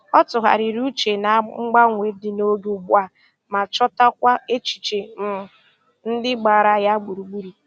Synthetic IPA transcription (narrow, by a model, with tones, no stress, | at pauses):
ɔ˦tʊ˨ɦa̰˨ɾi˨ɾu˦t͡ʃe˨na˨˦ŋ͡m̩˦ɡ͡ba˦ŋʷe˨˦dɪ˨no˦ɡu˦˨ɡ͡bu˦a˨ | ma˨t͡ʃɔ˦ta˦kʷa˦e˦t͡ʃi̥˨t͡ʃe˨m̩˨ | n̩˦dɪ˦ɡ͡ba˨ɾa˦ja˦ɡ͡bu˨ɾu˨ɡ͡bu˦ɾi˨